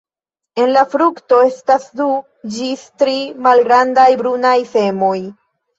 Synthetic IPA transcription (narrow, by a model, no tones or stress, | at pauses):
e̞nlafɾukto̞e̞stasdu | d͡ʒistɾimalɡɾandajbɾunajfe̞mo̞j